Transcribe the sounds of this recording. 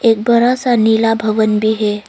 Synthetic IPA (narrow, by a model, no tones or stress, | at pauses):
ek̚bəɾasanilabʱəʋənbiːɦe